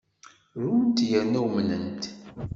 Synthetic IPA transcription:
ɾut̪ːjænːæwmnənt̪

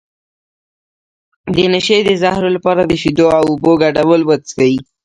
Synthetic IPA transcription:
d̪ənəʃed̪əzahɾolapɑɾad̪əʃid̪oawʊboɡaɖawəlwət̪kawi

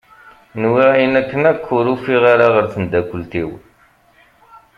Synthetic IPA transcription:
nwiʁjənækːənækʰːʊɾufiʁaɾaʁəɾθənd̪ækʷːəlt̪iw

